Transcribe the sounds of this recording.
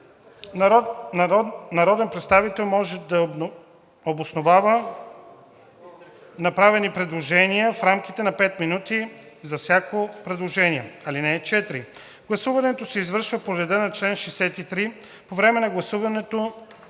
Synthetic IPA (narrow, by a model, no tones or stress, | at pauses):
nɐɾɔd̪ɛnpɾɛt̪st̪avit̪ɛlˠmɔʒɛd̪ɐ | obosnovavə | nɐpɾavɛnipɾɛd̪lˠoʒɛniəfɾamk̟it̪ɛnɐpɛt̪minut̪i | zɐfsʲjakopɾɛd̪lˠoʒɛniɛɐlinɛt͡ʃɛt̪ɾi | ɡ̥lˠɐsuvɐnɛt̪osɛizvɤɾʃvəpoɾɛd̪ənɐt͡ʃlɛnʃɛsɛt̪it̪ɾi | povɾɛmɛnɐɡlˠɐsuvɐnɛt̪o